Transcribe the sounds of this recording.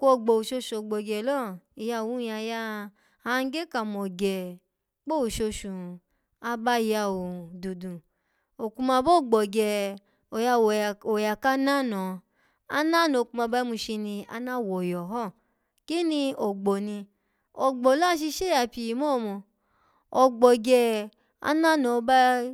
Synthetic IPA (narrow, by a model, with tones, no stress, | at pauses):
ko˦o˧˨ɡ͡bo˨ʃo˧ʃu˨o˨ɡ͡bɔ˨ɡɛ˨lɔ˦˨i˨ja˧˨wũ˨˦˧a˧ja˦˨ | a˨˦˧ɡe˦ka˨mɔ̃˨ɡɛ˨ | k͡po˦o˨ʃo˧ʃũ˨ | a˧ba˧i˧ja˧˨wo˨du˨dũ˨ | o˨kũ˧mã˧bo˦˨ɡ͡bɔ˨ɡɛ˨ | o˨ja˧wo˨o˨ja˨ka˦nã˦˨nɔ̃˨ | a˦nã˦nɔ̃˨ku˧˦mã˧ba˦mũ˧ʃi˧nĩ˧a̰˧nã˦˨wɔ˨jɔ˨ɦɔ˦˨ | ki˦nĩ˧o˨ɡ͡bɔ˨nĩ˧ | ɔ˨ɡ͡bɔ˨la˦ʃ̬i˧ʃe˦a˨pi˨i˨mo˦˨mɔ̃˨ | ɔ˧ɡ͡bɔ˨ɡɛ˧ | a̰˦nã˦˨nɔ̃˨˧ba˦